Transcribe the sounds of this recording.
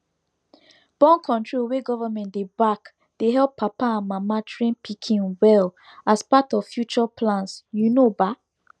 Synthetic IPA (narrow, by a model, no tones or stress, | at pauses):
b̥ɔ̃nkʰɔ̃ntɹolweɡɔvamɛ̃ndebak | d̥eɦɛlpʰːapaãnmamatɹĩnpʰikʰĩnwɛl | aspatɔv̥fjut͡ʃɔpʰlãnsjunoba